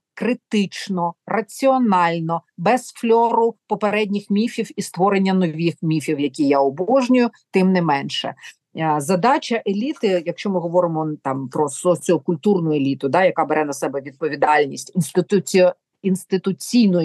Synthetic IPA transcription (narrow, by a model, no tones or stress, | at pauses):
kɾɪt̪ɪt͡ʃnɔrɐt͡sʲiɔnɑlʲnɔbɛsflʲɔɾʊpɔpeɾɛdʲnʲixmʲifʲiwist̪ʋɔɾenʲːɐnɔʋʲixmʲifʲiwjɐkʲijaɔbɔʒnʲʊjʊt̪ɪmnɪmɛnʃɛ̰ | zɐd̪ɑt͡ʃɐʔelʲit̪ɪjɐkʃt͡ʃɔmɪɦɔʋɔɾɪmɔt̪ɑmpɾɔsɔt͡sʲɔkʊlʲt̪urnʊjʊelʲit̪ʊd̪ɑjɐkɑbeɾɛnɐsɛbɛʋʲid̪̚pɔʋʲid̪ɑlʲnʲisʲtʲinst̪ɪt̪ʊ | inst̪ɪt̪ʊt͡sʲijnʊj